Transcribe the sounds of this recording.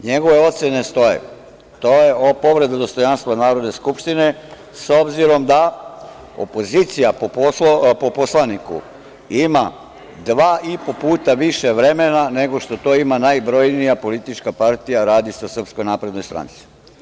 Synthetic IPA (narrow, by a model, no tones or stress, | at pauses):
ɲeɡo̞ʋe̞o̞t̪senest̪o̞jḛ | t̪ojeopo̞ʋɾe̞d̪ad̪o̞st̪o̞janst̪ʋanaːɾo̞d̪ne̞skupʃt̪ine̞ | so̞bziɾo̞md̪a | o̰po̞zit̪sijapoopoposlˠanikṵ | ima | d̪ʋaːʔipo̞puːt̪aʋiʃe̞ʋɾe̞menane̞ɡo̞ʃt̪o̞t̪o̞ːimanajbɾo̞jnijapo̞lit̪it͡ʃkapaɾt̪ijaɾaːd̪isasr̩psko̞jnaːpɾe̞d̪nojst̪ɾa̰nt̪si̥